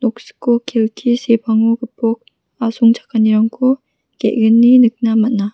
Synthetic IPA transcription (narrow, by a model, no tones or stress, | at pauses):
nɔk̚sɯ̥kːokʰelkʰisepʰaŋukɯpʰɔk̚ | asuŋt͡ʃʰḁkʰːaniɾaŋkʰo | kḛʔ̚ɡɯnːinɯk̚namat̚na